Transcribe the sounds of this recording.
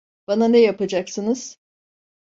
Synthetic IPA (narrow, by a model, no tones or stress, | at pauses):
b̥ananɛjapad͡ʒaksɯnɯz̥